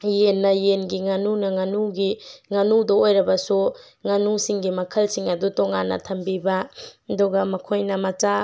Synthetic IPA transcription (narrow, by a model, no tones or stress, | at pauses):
jenːɐjenɡiŋɐnunɐŋɐnuɡiŋɐnudɐojɾɐbɐsu | ŋɐnusiŋɡimɐkʰɐlsiŋɐdutoŋanːɐ̰tʰɐmbibɐduɡɐmɐkʰojnɐmɐt͡ʃa